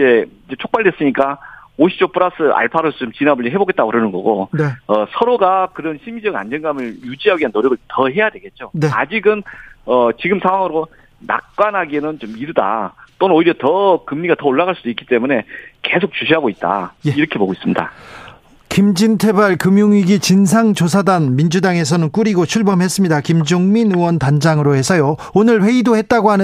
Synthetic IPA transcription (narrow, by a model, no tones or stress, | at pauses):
d͡ʑe̞id͡ʑe̞t͡ɕʰok̚p͈aɭdwe̞s͈ɯɲik͈aoɕʰi̥t͡ɕopʰɯɾas͈ʰɯa̰ɭpʰaɾosʰʌt͡ɕomt͡ɕinabɯʎːiɦe̞boɡet͈aɡoɯɾɯnɯnɡʌ̰ɡoʌsʰʌɾoɡakɯɾʌnɕʰimid͡ʑʌɡa̰nd͡ʑʌnɡamɯɭjud͡ʑiɦaɡiɦanːoɾjʌɡɯɭtʌɦe̞jade̞ɡe̞t̚t͡ɕ͈onea̰d͡ʑiɡɯnʌt͡ɕiɡɯmsʰaŋɦwaŋɯɾo | na̰k̚k͈wanɦaɡienɯnt͡ɕomiɾɯda̰t͈onɯnoiɾjʌtʌkɯmɲiɡatʌoɭːaɡaɭs͈ud̥oik͈ːi̥t͈e̞mune̞ke̞sʰok̚t͡ɕuɕʰiɦaɡoit̚t͈a̰jeiɾʌkʰe̞boɡois͈ɯmɲida̰ | kimd͡ʑintʰe̞baɭkɯmjuŋiɡit͡ɕins̬ʰaŋt͡ɕosʰadanmind͡ʑudaŋe̞s̬ʰʌnɯnk͈uɾiɡot͡ɕʰuɭbʌmɦe̞s͈ɯmɲidakimd͡ʑoŋminɯwʌntand͡ʑaŋɯɾohe̞sʰʌjoonɯɭɸe̞idoɦhe̞t̚t͈aɡoɦanɯ